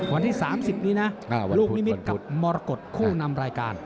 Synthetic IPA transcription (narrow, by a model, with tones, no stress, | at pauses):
wa˧nt̪ʰiː˥˩saː˩˦msi˨˩p̚niː˦˥na˦˥˧luː˥˩kmi˦mi˦n̚ka˨˦˩p̚mɔː˧ɾa˧ko˨˩t̪̚kʰuː˥˩na˧mɾaː˧jkaː˧n